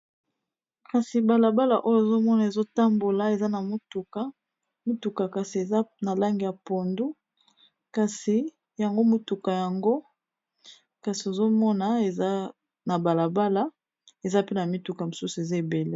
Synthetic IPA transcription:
ka˨si˨ba˨la˨ba˦la˨ʔo˦jo˦e˨zo˦mɔ˦na˨e˨zo˦ta˦mbo˨la˨e˨za˦na˨mo˦tu˨ka˨˦ | mi˦tu˨ka˨ka˨si˨e˨za˦na˨la˦ŋɡi˨ja˨po˨ndu˦ | ka˨si˨ | ja˨ŋɡo˦mo˦tu˨ka˨ja˨ŋɡo˦ | ka˨si˨o˨zo˦mɔ˦na˨e˨za˦ | na˨ba˨la˨ba˦la˨ | e˨za˦pe˦na˨mi˦tu˨ka˨mo˨su˦su˨e˨za˦e˨be˨le˦

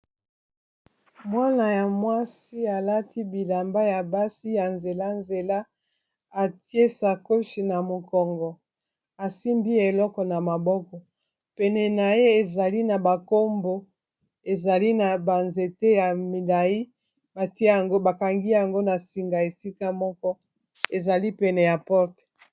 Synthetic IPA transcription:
mwa˦na˨ja˨mwa˦si˦a˨la˦ti˦bi˨la˨mba˦ja˨ba˦si˦ja˨nze˨la˦nze˨la˦ | a˨ti˦e˦sa˨ko˦ʃi˨na˨mo˨kɔ˨ŋɡɔ˨ | a˨si˦mbi˦e˨lɔ˦kɔ˨na˨ma˨bɔ˦kɔ˨ | pɛ˨nɛ˨na˨je˦e˨za˨li˦na˨ba˨ko˦mbo˦ | e˨za˨li˦na˨ba˨nze˨te˦ja˨mi˨la˨ji˦ | ba˨ti˦e˦ja˨ŋɡo˦ba˨ka˨ŋɡi˦ja˨ŋɡo˦na˨si˨ŋɡa˨e˨si˦ka˦mɔ˦kɔ˦ | e˨za˨li˦pɛ˨nɛ˨ja˨pɔ˦ʁtɛ̥˨

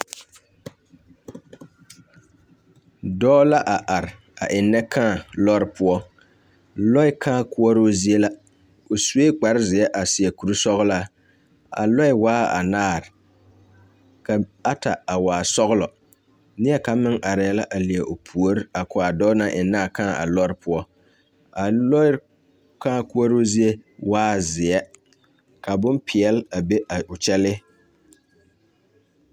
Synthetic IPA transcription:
dɔː˦la˦ʔa˨ʔa˨ɾɪ˨ | a˨ʔɪ˨nːɛ˦kʰãː˦˨lɔ˦ɾɪ˦pʰʊ˦ɔ˦ | lɔ˦ɪ˦kʰãː˦kʊ˦ɔ˦ɾoː˦zi˦e˦la˦ | o˨su˦we˦k͡pa˨ɾzɪ˨ɛ˦ʔa˨sɪ˨ɛ˨ku˨ɾu˦sɔ˦ɣʊ˦la˦˨ | a̰˨lɔ˦ɪ˦waː˦a̰˨naː˦˨ɾɪ˨ | ka˨a˦ta˨a˨waː˨sɔ˦ɣʊ˦lɔ˨ | nɪ˦ɛ˦ka˨˦mɪ˦ŋʔa˨ɾɪ˨ɛ˦la˦ʔa˨li˨e˨ʔo˨pʰu˨o˦ɾɪ˦a˨kʊ˨a˨dɔ˦na˦ʔɪ˨naː˦˨kã˦˨ʔa̰˨lɔ˦ɾɪ˦pʰʊ˦ɔ˦ | a˨lɔ˦ɪ˦ | kã˦˨ku˦ɔ˦ɾo˦zi˦e˦waː˦zɪ˨ɛ˦ | ka˨bʊ˦npʰɪ˨ɛ˨la˨be˦a˨ʊ˨t͡ʃɛ˦lɪ˦

